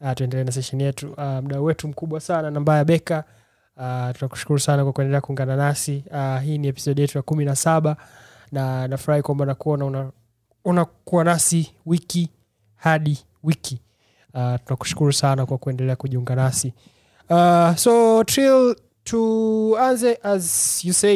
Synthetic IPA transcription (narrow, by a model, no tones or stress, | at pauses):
atuɛndɛlɛːnas̬ɛʃɛnijɛtuam̩ɗauwɛtum̩kuɓwasananambajaɓɛka | tunaku̥ʃu̥kuɾusanakwakuɛndɛlɛakuuŋɡananasiaɦiːniɛpi̥sɔɗijɛtujakuminasaɓa | nanafuɾahikwambaunakuɔnauna | unakuwanasiwiki | haɗi | wikʰi | atunaku̥ʃu̥kuɾusanakwakuɛndɛlɛakuʄiuŋɡanasi | asɔtɾil | tʰuanzɛʔazjusɛ